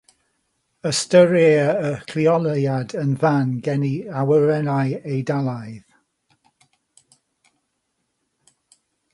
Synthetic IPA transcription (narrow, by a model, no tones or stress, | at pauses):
əstəɾeːəkʰl̥iɔlˠjadənvanɡɛniawəɹɛnajejdalˠajð